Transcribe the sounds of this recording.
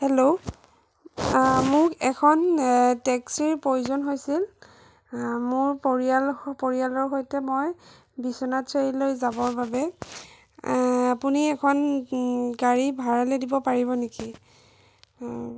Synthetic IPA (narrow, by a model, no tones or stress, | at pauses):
hɛlo | mʊkɛkʰɔntɛksiɹpɹojuzɔnɦojsil | mʊɹpoɹialpoɹijalɔɹɦojtɛmoj | bisɔnatseɹilojzabɔɹbabɛ | apuniɛkʰɔn | ɡaɹibʱaɹalɛdibɔpaɹiβɔneki